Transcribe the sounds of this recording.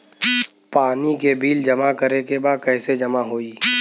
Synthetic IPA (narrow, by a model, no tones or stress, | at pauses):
paːnikebʱiːld͡ʒɐmakəɾekebaːd̪̚kɛːsed͡ʒɐmaɦoːiː